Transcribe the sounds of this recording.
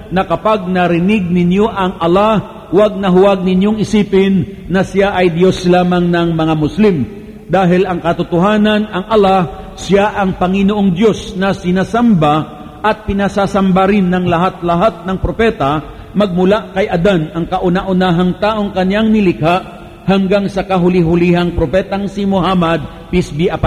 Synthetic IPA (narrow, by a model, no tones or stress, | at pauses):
nɐkɐpaɡ̚nɐɾɪnɪɡ̚nɪnjo̞ʔɐŋʔɐla | waɡ̚nɐɦʊwaɡ̚nɪnjoŋɪsiːpɪnːɐsɪjaʔɐjd̪jo̞slaːmɐŋnɐŋmɐŋamʊslim | d̪aːɦɪlʔɐŋkɐt̪ʊt̪oɦaːnɐnɐŋʔɐlasɪjaʔɐŋpɐŋɪnoʔoŋd̪jo̞snɐsɪnasamba | ʔɐt̪̚pɪnasaːsɐmbaɾɪnːɐŋlɐɦat̪̚lɐɦat̪̚nɐŋpɾopɛt̪ɐ | mɐɡ̚mʊlaʔkɐjʔɐd̪anɐŋkɐʔʊnaʔʊnaːɦɐŋt̪aːʔo̞ŋkɐnjaŋnɪlɪkaʔ | hɐŋɡaŋsɐkɐɦʊlɪɦʊliɦɐŋpɾopɛːt̪ɐŋsimohamɐd̪̚ | pɪsbiʔapa